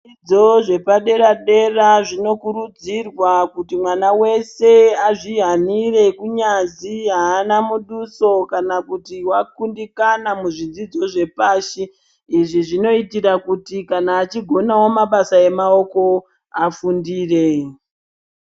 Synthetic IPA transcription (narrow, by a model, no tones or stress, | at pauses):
id͡zo̞ʐe̞paɗe̞ɾaɗe̞raʐino̞kuɾud͡zirwakutimwanawe̞se̞aʐiɦanire̞kuɲaziɦaːnamuɗuso̞kanakutiwakundikanamuʐind͡zid͡zo̞ʐe̞paːʃiː | ʐiʐino̞itirakutikanaːt͡ʃiɡʱo̞nawo̞maɓasae̞mao̞ko̞ | afundiːre̞